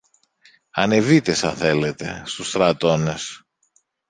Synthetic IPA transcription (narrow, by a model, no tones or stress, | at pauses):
ɐne̞vit̪e̞sɐ̰θe̞le̞t̪e̞̰st̪ust̪ɾɐt̪o̞ne̞s